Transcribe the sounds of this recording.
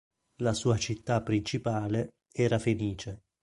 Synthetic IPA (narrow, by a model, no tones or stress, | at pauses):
lasuːat͡ʃit̪ːapːɾint͡ʃipaːle | ɛːɾafeliːt͡ʃe